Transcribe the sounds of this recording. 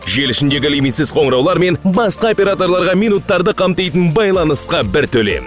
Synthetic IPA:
ʒe̞lɪʃɪnd̪e̞ɡʲɪlʲijmit̪sɪz̥qʰo̞ɴɾɑwlˠɑɾme̞nbɑsqɑo̞pʲe̞ɾat̪o̞ɾlˠɑɾʁɑmijnut̪ːɑɾd̪əqʰɑmt̪ɑjt̪ənbɑjlˠɑnəsqɑbɪɾt̪ʰɵle̞̰m

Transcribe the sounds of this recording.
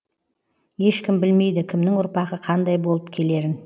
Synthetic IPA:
je̞ʃkʲɪmbɪlme̞jd̪ɪkʲʰɪmnɪŋʊɾpɑʁəqʰɑnd̪ɑjbo̞lˠəpkʲʰe̞le̞ɾɪn

